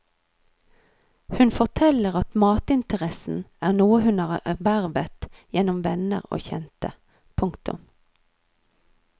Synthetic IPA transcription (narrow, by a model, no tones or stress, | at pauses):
hʉnfɔʁt̪ʰɛləʁɑt̪mɑːt̪ɪnt̪əʁɛsn̩æːʁnuːəhʉnɑːʁɛʋæʁʋət̪jɛnɔmʋɛnə̰ʁo̰ːçɛnt̪ə̰ | pʰʊŋkt̪ʊ̰m